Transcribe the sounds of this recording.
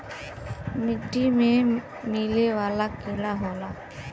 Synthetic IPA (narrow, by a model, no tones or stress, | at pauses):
mɪɖimẽ | mileʋaːlakeɽaɦoːlaː